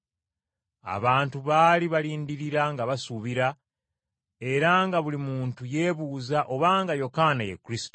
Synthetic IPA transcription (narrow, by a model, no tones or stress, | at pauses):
a̰βaːntuβaːliβaliːndiɾiɾaŋɡaβasuβiɾa | e̞ɾaŋɡaβulimuːntuje̞ːβuːzaʔo̞βaːŋɡajo̞kaːnajḛkːɾisto